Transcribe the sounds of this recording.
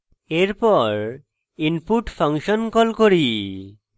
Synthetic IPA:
eɾpɔɾ | impuʈfʰɔŋʃɔnkɔlkoɾi

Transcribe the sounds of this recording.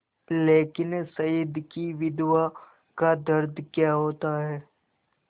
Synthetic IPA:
leːkɪnsɐjəd̪ʱkiʋɪd̪wa | kad̪ɐɾd̪ʱkjaːɦoːt̪aɦɛː

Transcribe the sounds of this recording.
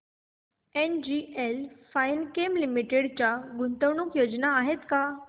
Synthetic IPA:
end͡ʑielfajnkemlimiʈeɽt͡ɕjaɡunt̪əwɳukjod͡ʑnaːɦet̪ka

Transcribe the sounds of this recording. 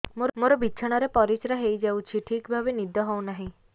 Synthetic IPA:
moɾmoɾɔbiːt͡ʃʰaɽ̃aɾepɔɾit͡ʃɾaɦejd͡ʒawt͡ʃʰiʈʰikbʱabenid̪ʱɔɦownaɦĩ

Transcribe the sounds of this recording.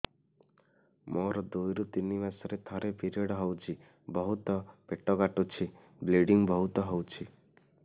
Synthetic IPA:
mʔɔɾɔd̪ojɾut̪inibasɔɾet̪ʰɔɾepiɾiɔɽɔɦɔwt͡ʃʰi | bɔɦut̪ɔpeʈɔɡaʈut͡ʃʰi | bleɖiŋbɔɦut̪ɔɦɔwt͡ʃʰi

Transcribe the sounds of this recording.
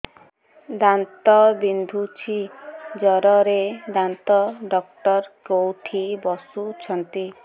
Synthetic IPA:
d̪ant̪ɔbind̪ʱut͡ʃʰid͡ʒɔɾɔɾed̪ant̪ɔɖɔk̚ʈɔɾkowʈʰibɔsut͡ʃʰɔnt̪i

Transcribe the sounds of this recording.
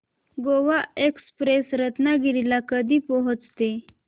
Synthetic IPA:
ɡoʋaekspɾesɾət̪naɡililakəd̪iːpɔɦət͡st̪e

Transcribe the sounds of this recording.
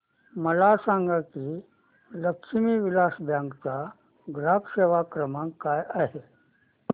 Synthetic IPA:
məlasãŋɡakiː | ləkʂmiːʋilasbʱjãŋɡt͡sa | ɡɾapseʋakɾəmãŋkːajaɦe

